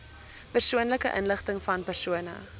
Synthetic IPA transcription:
pərsuənləkəʔənləχtəŋfɐnpərsuənə

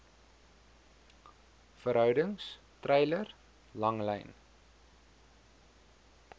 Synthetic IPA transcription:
fəɾɦœwdəŋs | trɛjlər | lɐŋlɛ̰jn

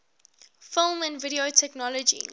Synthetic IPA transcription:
fɪlˠmæ̃ndvɪɾiotʰɛknɔlɔd͡ʒḭ

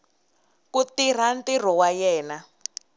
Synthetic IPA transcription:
kut̪ir̤antir̤ɔwajɛːna

